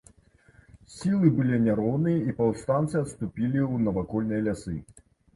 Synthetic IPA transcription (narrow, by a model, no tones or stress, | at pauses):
sʲilˠɨbɨlʲinʲaɾɔwnɨjɐipɐwst̪ant̪sɨɐt̪st̪upʲilʲiwnɐvakɔlʲnɨjɐlʲasɨ